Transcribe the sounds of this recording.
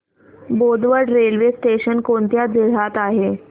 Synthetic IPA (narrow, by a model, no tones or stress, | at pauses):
bod̪ʋəɖɾelʋesʈeɕənkoɳt̪jad͡ziɽ̤at̪aɦe